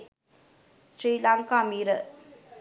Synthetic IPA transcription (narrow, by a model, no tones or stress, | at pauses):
sɾiːlaŋkaːmiːɾə